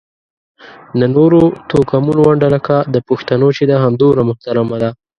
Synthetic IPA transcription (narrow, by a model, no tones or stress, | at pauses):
nənoɾot̪okamunowaɳɖalakad̪əpoxt̪anot͡ʃed̪aɦamd̪oɾamʊht̪aɾamad̪a